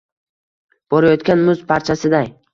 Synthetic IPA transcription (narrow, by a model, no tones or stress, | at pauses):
b̥ɒɾajɒt̪kʲanmʊzpʰaɾt͡ʃʰasɪd̪aj